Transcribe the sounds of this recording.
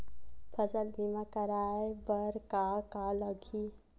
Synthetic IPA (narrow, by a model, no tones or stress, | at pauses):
pʰəsəlbʱimakəɾaːebəɾkakaləɡʱi